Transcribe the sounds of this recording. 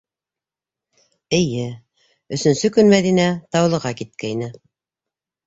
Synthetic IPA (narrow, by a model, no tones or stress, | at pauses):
ɘ̆jɘ | ɵ̆sɵ̆nsɵkɵnmæðinæt̪ɑwlˠɤ̆ʁɑkit̪̚kæjnɘ